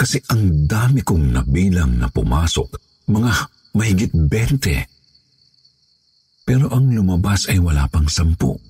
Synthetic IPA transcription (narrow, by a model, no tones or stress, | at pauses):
kɐsɛʔɐŋd̪aːmɪkʊŋnɐbiːlɐŋnɐ̰pʊ̰maːso̰k̚ | mɐŋa | mɐhɪɡɪt̪̚bɛnt̪ɛ̰ | pɛːɾo̞ʔɐŋlʊmɐbasɐjwɐla̰ːpɐŋsɐmpo̰ʔ